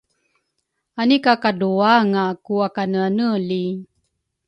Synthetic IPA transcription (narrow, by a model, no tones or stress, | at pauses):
anikakaduaŋakuakanəanəli